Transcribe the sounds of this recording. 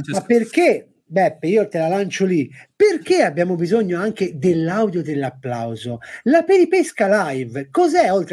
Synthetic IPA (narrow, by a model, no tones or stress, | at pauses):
mapːerk̟e | bɛpːiːot̪elalant͡ʃoliperk̟eabːjaːmobizoɲːoaŋk̟ed̪elːawd̪jod̪elːapːla̰wzolapeɾipeskalajvkɔzɛolt̪ɾ